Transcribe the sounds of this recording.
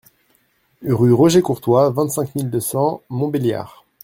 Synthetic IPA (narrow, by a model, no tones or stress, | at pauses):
ʁyʁɔʒekuʁt̪wavɛ̃t̪sɛ̃kmild̪əsɑ̃mɔ̃belja̰ːʁ